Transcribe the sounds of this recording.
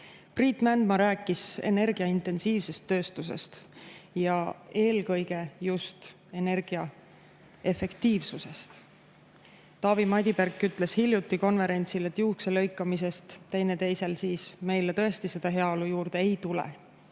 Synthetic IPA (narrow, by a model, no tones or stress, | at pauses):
priːt̪ːˑmænd̪mɑɾæːkːˑise̞̰ne̞rɡ̥iɑint̪e̞nsiːvse̞st̪ːø̞ːst̪us̬e̞̰st̪jɑe̞ːlkɤ̞jɡ̥e̞just̪ | e̞ne̞rɡ̥iɑ | e̞fe̞kt̪iːvsuse̞st̪ | t̪ɑːvimɑd̪ʲiberkːyt̪ːˑle̞shilʲjut̪ːiko̞nve̞ɾe̞nʲt̪sile̞t̪ːjukselɤ̞jkːˑɑmis̬e̞st̪t̪ːe̞jne̞t̪e̞jse̞lsiːsme̞jlet̪ɤ̞e̞st̪ise̞d̪̥ɑɦe̞ɑo̞lujuːɾd̪̥e̞ejt̪ulḛ